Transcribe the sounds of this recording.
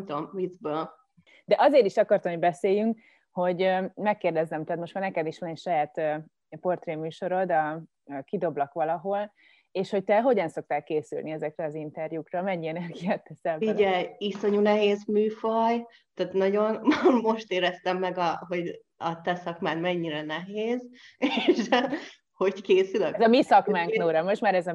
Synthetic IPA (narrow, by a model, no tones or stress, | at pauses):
mt̪omvizbøːl | d̪ɛʔɒzeːɾiʃɒkɒrt̪ɒmoɟbɛseːjyŋk | ho̞ɟmɛkːeːrd̪ɛzːɛmt̪ɛːt̪mo̞ʃt̪maːrnɛkɛd̪iʃʋɒnɛcʃɒjaːt̪ː | po̞rt̪reːmyːʃo̞ɾo̞d̪ɒ | kid̪o̞blɒkʋɒlɒɦo̞l | eːʃhoc̚t̪ɛɦo̞ɟɒnso̞k̚t̪aːkkːeːsy̰lniɛzɛkrɛɒzint̪ɛrjukrɒmɛɲːiɛnɛrɡijaːt̪ːɛsɛiɟɛjiso̞ɲunɛɦeːzmyːfɒj | t̪aːt̪nɒɟo̞nmo̞ʃt̪eːɾɛst̪ɛmːɛɡɒɦo̞ɟ | ɒt̪ɛsɒkmaːt̪mɛɲːiɾɛnɛɦeːzeʃ | ho̞ɟkeːsyløzɒmisɒkmaːŋknoːɾɒmo̞ʃt̪maːɾɛzɒ